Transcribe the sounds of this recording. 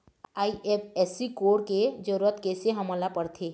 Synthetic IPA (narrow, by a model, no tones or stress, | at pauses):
aːiʔepʰesikoːɽked͡ʒəɾət̪keːseɦəməlapəɾt̪ʰe